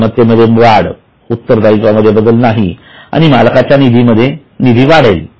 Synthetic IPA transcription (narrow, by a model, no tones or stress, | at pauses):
mət̪ːeməd̪ʱːjeʋaɽ | ut̪ːəɾd̪aikʋaməd̪ʱːjebəd̪əlnaɦi | a̰ɽ̃imalkat͡ɕjanid̪ʱiməd̪ʱːje | nid̪ʱiːʋaɽ̤el